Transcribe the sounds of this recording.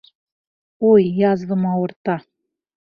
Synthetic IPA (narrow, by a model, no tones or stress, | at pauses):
ojːɑzvɤ̆mɑwɤ̆rt̪ɑ